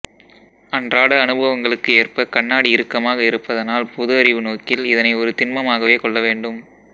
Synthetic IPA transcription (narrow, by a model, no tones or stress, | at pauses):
ɐndraːɽɐɐnɯbɐʋɐŋɡɐɭɯkːɯeːrpɐkɐɳːaːɽiɪɾɯkːɐmaːɣɐɪɾɯpːɐðɐnaːlpʊðɯɐɾɪʋɯnoːkɪlɪðɐnɐɪɔɾɯt̪ɪnmɐmaːɣɐʋeːkɔɭːɐʋeːɳɖɯm